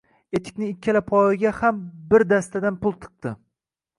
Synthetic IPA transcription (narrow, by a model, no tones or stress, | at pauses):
e̞t̪ʰɪ̥kʲnɪɪkʲʰːalapʰɒɪɡʲahambɪɾd̪ast̪ʰad̪anpʊlˠt̪ʰɨ̥q̚t̪ɪ